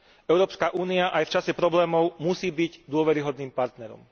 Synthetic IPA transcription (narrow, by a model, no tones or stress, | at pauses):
ʔɛʊɾɔːpskaʔuːniaʔajft͡ʃasɛpɾɔblɛːmɔʊmusiːbiɟd̪ʊɔʋɛɾiɦɔd̪niːmpaɾt̪nɛɾɔ̰m